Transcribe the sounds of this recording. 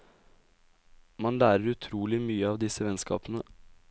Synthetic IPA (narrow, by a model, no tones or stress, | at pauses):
mɑnlæːɾəɾʉt̪ʰɾuːlɪmyːəɑːʋd̪ɪsəʋɛnskɑ̰ːpənə